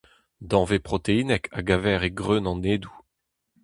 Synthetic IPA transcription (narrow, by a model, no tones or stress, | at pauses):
d̪ɑ̃vepχɔt̪einɛkʰa̰ɡavɛːʁeɡʁønɑ̃neːd̪u